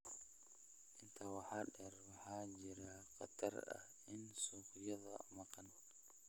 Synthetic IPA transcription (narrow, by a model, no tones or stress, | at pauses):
ʔɪnt̪ʰawaħaɗɛɾwaħad͡ʒiɾaqa̰t̪a̰ɾa̰ | ɪnsukjaða̰makan